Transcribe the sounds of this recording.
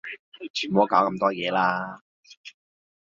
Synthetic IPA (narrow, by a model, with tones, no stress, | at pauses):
t͡ʃʰyː˨˩nmɔː˨˥kaː˨˥wkɐ˧mt̪ɔː˥jɛː˨˧laː˥